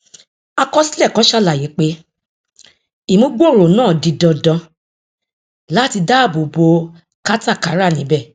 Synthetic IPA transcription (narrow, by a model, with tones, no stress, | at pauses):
a˧kɔ˦si˦lɛ˦˨kã˨˦ʃa˦˨la˨ji˨˦k͡pe˦ | i˨mũ˦ɡ͡bo˦˨ɾo˨nãː˦˨di˧dɔ̃˧dɔ̃˧ | la˨˦ti˧da˦˨bo˨bo˧˦ | ka˦ta˦˨ka˨˦ɾa˦˨nĩ˨˦bɛ˦˨